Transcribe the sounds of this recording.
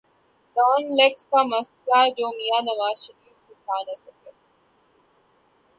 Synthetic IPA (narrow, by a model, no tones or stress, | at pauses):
ɖɔːnlekskamɐskad͡ʑoːmijanɐʋaːzʃɐɾiːfsɪkʰaːnɐsɐke